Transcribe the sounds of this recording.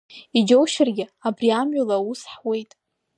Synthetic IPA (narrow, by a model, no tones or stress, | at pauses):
id͡ʒowʃɪrɡʲɪabriamʕɥulausħwe̞jtʼ